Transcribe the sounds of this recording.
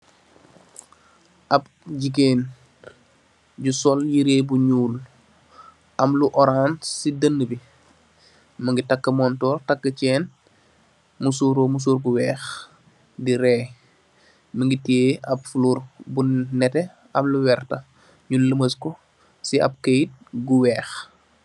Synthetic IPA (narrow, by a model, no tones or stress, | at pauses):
ʔɐb̚ | ɟik̬eːn | ɟusɔljiɾeːbuɲuːl | ʔɐmluʔɔɾansidənːəbi | məŋɡitakːəmɔntɔːrtakːət͡ʃɛːn | musuːɾomus̬uːɾɡuwɛːx | diɾɛː | məŋɡiteɐpfuluːrbunɛtɛ | ɐmluwɛrtɐ | ɲulːəməskɔ | siɐ̰p̚ket̚ɡuwɛːx